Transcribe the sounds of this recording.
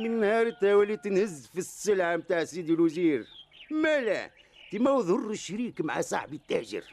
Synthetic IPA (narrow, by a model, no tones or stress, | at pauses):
mənnːhɑɾˤt̪æwælit̪ənhəzːfisːəlʕamt̪aʕsid̪əlwziɾmælæ̰ | t̪imæwðˤʊrˤːəʃːɾikmaʕa̰sˤɑ̰ħbət̪ːæ̰ʒə̰ɾ